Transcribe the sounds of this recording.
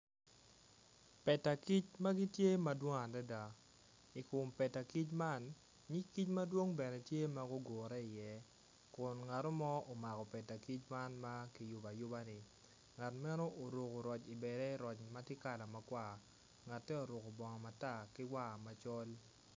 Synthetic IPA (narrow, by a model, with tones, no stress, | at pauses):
pɛ˨ta˨ki˦t͡ʃma˦ɡi˦tje˦ma˦dwo˦ŋa˨nda˦da˨ | i˨kʊ˨mpɛ˨ta˨ki˦t͡ʃma˦˨n | ɲi˦kːi˦t͡ʃma˦dwo˦ŋbɛ˨nɛ˨tje˦ma˦ɡo˦ɡoː˨ɾɛ˦ɪ˨jɛ˦ | kʊ˨nŋa˨to˦mɔ˦o˨ma˨kɔ˨pɛ˨ta˨ki˦t͡ʃma˦nma˦ki˨jʊ˨ba˨jʊ˦ba˦nɪ˨ | ŋa˨tmɛ˦no˦ʔo˨ɾo˨ko˨ɾɔ˨t͡ʃi˨bɛ˨ɾɛ˦ɾɔ˨t͡ʃma˦tɪ˦ka˨la˨ma˨kwa˦˨ | ŋa˨tːɛ˦o˨ɾo˨ko˨bɔ˨ŋɔ˨ma˨ta˦˨kɪ˦wa˦˨ma˨t͡ʃɔ˦l